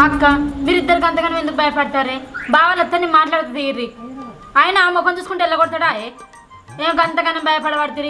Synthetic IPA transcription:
ɐkːɐmiɾid̪ːɐɾkɐnt̪ɐɡɐnɐmend̪uk̚ːbɐjɐpaːɽt̪aːɾebaːʋɐlɐt̪ːɐnːimaːʈlaːɽt̪ɐd̪eiɾːi | ajɐnɐːmɐkonuskuɳʈɛlːɐkoɽ̚t̪aːɽaːje | eːmkɐnt̪ɐɡɐnɐmbɐjɐpɐɽɐʋaːɽt̪iːɾi

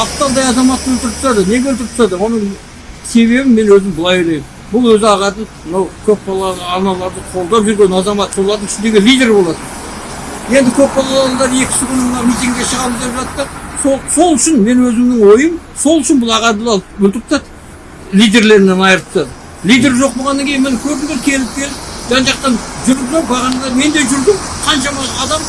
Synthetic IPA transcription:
ɑp̚t̪ːɑlˠd̪ɑjɑzɑmɑt̪ːəwɵlt̪ɪɾɪpt̪ɑd̪əne̞ɡʲeɵlt̪̬ɪɾɪpt̪ɑd̪əwo̞nəɴ | se̞βe̞bɪme̞nwɵzɪmbəlˠɑjwolʲˠejɪm | bʊlˠwɵzɪɑʁɑt̪əmənɑwkʲʰɵpbɑlˠɑːnɑlˠɑɾd̪əqʰo̞lˠd̪ɑpʒʏɾɡʲe̞nɑzɑmɑt̪ːʰolˠɑɾt̪ənɪʃɪnd̪e̞ɡʲelʲijd̪ʲe̞ɾbo̞lˠɑt̪ə | je̞nd̪ɪkʲʰɵpbɑlˠɑɑnɑld̪ɑɾəe̞kʲɪ̥sɪkʲʰʏnɪmənɑwmijt̪ʲiŋɡɡʲe̞ʃəʁɑɾəzd̪e̞pʒɑt̪ːəsoso̞lˠʏʃɪnme̞nwɵzɪmnɪŋwo̞jəmso̞lˠʏʃɪnbʊlˠɑʁɑd̪əlˠɑlˠəpwɵlt̪ɪp̚ot̪ɑt̪ə̥ | lʲijd̪e̞ɾle̞ɾɪnenɑjəɾt̪ːə | lʲijd̪e̞ɾʒo̞q̚boʁɑnːɑŋkʲejɪnmɪnɪkʲʰɵɾd̪ɪŋeɾkʲʰe̞lɪp̚kʲʰe̞lɪp̚d̪ænʒɑq̚t̪ɑnʒʏɾɪʒobɑʁɑnlˠɑɾme̞nd̪e̞ʒʏɾd̪ɪmqʰɑnʃɑmɑɑd̪ɑm

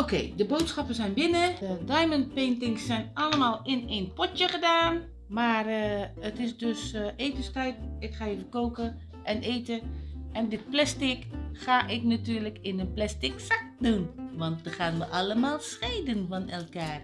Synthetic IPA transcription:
okeːdəboːtsxapəsɛjnbɪnədajmənpeːntɪŋsːɛjnaləmaːlˠɪneːnpɔtjəɣədaːn | maːrətɪsdøseːtəstɛjkɪkxaːjəfəkoːkə | ʔɛneːtəɛndɪt̚plɛstɪkxaʔɪknatyːrləkɪnənplɛstɪksak̚dunʋɔnt̚dəxaːtməʔaləmaːlˠsxeːdənfɔnɛlˠkaːr

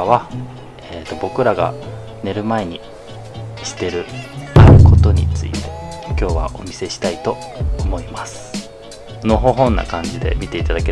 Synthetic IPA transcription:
βa | eːt̪o̞bo̞kɯ̟ɾaɡa̰ | ne̞ɾɯ̟mae̞ɲ̟i | ɕi̥t̪e̞ɾɯ̟aɾɯ̟ko̞t̪o̞ɲ̟ḭt͡sɨḭt̪e̞̥kʲo̞ːβa̰ʔo̞mʲise̞ɕi̥t̪ait̪o̞ː | mo̞imasɨ̥ | no̞ɦo̞ɦõ̞nːa̰kãɲ̟d͡ʑid̪e̞̰mʲit̪e̞it̪ad̪ake

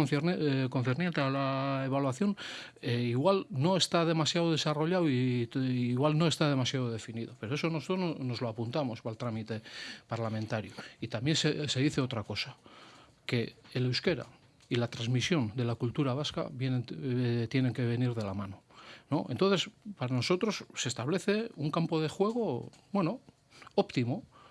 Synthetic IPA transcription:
konθernent̪ealae̞β̞alwaθjo̞n | eiɣwalno̞e̞st̪aðe̞masjaðoð̞e̞saro̞ʎawi | iɣwalno̞e̞st̪að̞e̞masjaðoð̞e̞finiðo̞pe̞ɾoe̞so̞nosot̪onono̞zloapunt̪amo̞zβalt̪ɾamit̪e̞paɾlamẽnt̪aɾjoit̪amje̞nsese̞ðiθeo̞t̪ɾako̞sa | ke̞lewske̞ɾa̰ | ilat̪ɾazmisjo̞nd̪e̞lakult̪uɾaβ̞aska̰βjenet̪je̞ne̞ŋke̞βe̞niɾðe̞lamano̞no̞ʔḛnt̪oθe̞spaɾano̞so̞t̪ɾosːe̞st̪aβle̞θe̞uŋkampo̞ð̞e̞xwe̞ɣ̞o̞bwe̞no̞ | opt̪imo

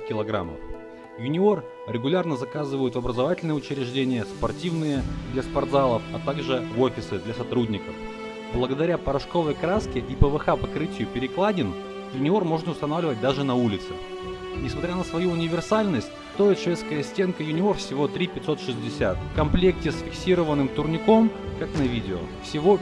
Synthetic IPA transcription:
kʲɪlˠɐɡɾa̰mːə̰f | jʊnʲɪo̞r | ɾʲɪɡʊlʲarnəzɐkazɨvəjʊt̪vɐbɾəzɐvatʲɪlʲnɨjəʊt͡ɕɪɾʲɪʐdʲenʲɪjəspɐrtʲivnɨjəd̪lʲɐspɐrd̪zalˠəfɐt̪aɡʐɨvo̞fʲɪsɨd̪lʲɐsɐt̪ɾudʲnʲɪkəf | blˠəɡəd̪ɐɾʲapəɾɐʂko̞vəjkɾaskʲɪʔipəvɨxapɐkɾɨtʲɪjʊpʲɪɾʲɪklˠadʲɪn | jʊnʲɪo̞rmo̞ʐnəʊst̪ɐnavlʲɪvət̚ʲd̪aʐɨnɐulʲɪt̪sɨ̥ | nʲɪsmɐt̪ɾʲanəsvɐjuʊnʲɪvʲɪrsalʲnəsʲt̚ʲst̪oɪt̪ʂvʲe̞t̪skəjəsʲtʲe̞nkəjʊnʲɪo̞rfsʲɪvo̞t̪ɾʲipʲɪt̪so̞t̪ʂɨzʲdʲɪsʲa̰t̪kɐmplʲe̞k̚tʲɪsfʲɪksʲiɾəvənːɨmt̪ʊrnʲɪko̞mkaknɐvʲidʲɪo̰fsʲɪvo̞

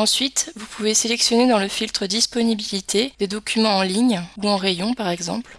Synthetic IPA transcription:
ɑ̃sɥit̪vupuveselɛksjɔned̪ɑ̃ləfilt̪χəd̪ispɔnibilit̪ʰed̪̥ed̪ɔkʲymɑ̃ːliɲuɑ̃ʁejɔ̃paʁɛɡzɑ̰̃pl

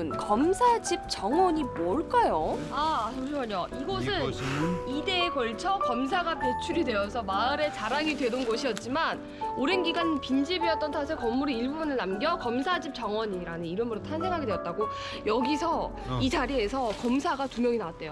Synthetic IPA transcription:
nkʌmsʰad͡ʑip̚t͡ɕ͈ʌŋwʌɲimoɭk͈ajoaoɕʰoaɲoiɡʌs̬ʰɯnide̞ːkʌɭt͡ɕʰʌkʌms̬ʰaɡapjʌt͡ɕʰuɾidwe̞ʌsʰʌmaɯɾe̞t͡ɕaɾaŋidwe̞donɡʌɕʰijʌt̚t͡ɕ͈iman | oɾenɡiɡanpind͡ʑibiʌt̚t͈ʌntʰasʰekʌmːuɾiiɭbubunɯɭnamɡjʌkʌmsʰad͡ʑip̚t͡ɕ͈ʌŋwʌɲiɾanɯniɾɯmɯɾotʰansʰe̞ŋɦaɡedweʌt̚t͈aɡo | jʌɡisʰʌ | it͡ɕaɾie̞sʰʌkʌmsʰaɡatumjʌŋinawat̚t͈e̞jo

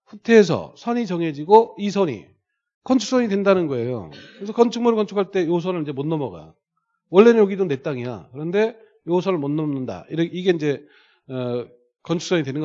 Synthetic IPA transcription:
ɸutʰe̞ːs̬ʰʌ̰sʰʌɲit͡ɕʌŋe̞d͡ʑiɡois̬ʰʌɲḭ | kʌnt͡ɕʰu̥s͈ʌɲidwe̞ndanɯnɡʌe̞jo̰kɯɾes̬ʰʌkʌnt͡ɕʰuŋmuɾɯɭkʌnt͡ɕʰukʰaɭt͈e̞josʰʌnɯɭind͡ʑemonːʌmʌɡa̰ | wʌɭːe̞njʌɡidone̞t͈aŋia̰kɯɾʌnde̞ | josʰʌɾɯɭmonːʌnɯnda̰iɾʌiɡe̞ind͡ʑe̞ | kʌnt͡ɕʰuk̚s͈ʰʌɲidwe̞nɯnɡʌ

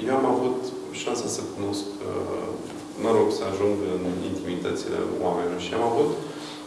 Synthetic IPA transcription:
jeamavut̪ | ʃansasəkuno̞sk | məɾo̞ɡsəaʒuŋɡɨnḭnt̪imit̪ət̪sile̞̰wamenilorʃiamavut̪

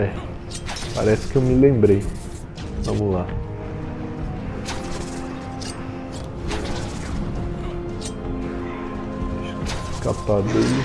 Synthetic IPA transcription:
ɛ | pa̰ɾɛsɪ̥kɪewmɪlẽmbɾej | vɐ̰̃mʊla | skapad̪elɪ

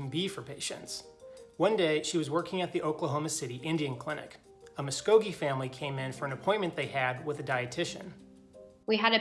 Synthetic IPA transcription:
n̩bifə˞pʰeɪʃɨ̰̃ntswʌ̃ndeɪʃiwʌzwɜ˞kɪ̃ŋɨt̪̚ðiʔoʊkləɦõʊmɨsɪɾiʔɪ̃ndiɨ̃nkʰl̥ɪ̃nɨ̰k | əmɨskoʊɡifæ̃mlikʰẽɪ̃mɨ̃nfə˞ɨ̃nɨpʰɔ̃ɪ̃nmɨ̃nðeɪɨd̚wəðɨdaɪɨtʰɪʃɨ̰̃n | wiɨɾɨ

